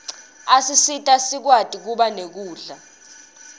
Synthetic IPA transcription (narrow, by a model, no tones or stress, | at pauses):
asisitʼasik̬watʼik̬uɓanek̬uːɮa